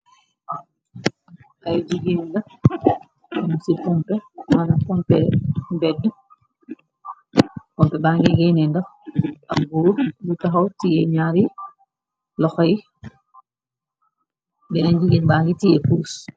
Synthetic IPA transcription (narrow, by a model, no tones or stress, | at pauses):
ajd͡ʒuɡinda | ɛmusipɔmpɛmanapɔmpɛmbɛdu | pɔmpɛbaŋɡiɡɛnɛndaʔabuːɾbutaɦawtijɛɲaɾi | lɔxɔji | bɛnaɲd͡ʒiɡinbaŋɡitijɛpus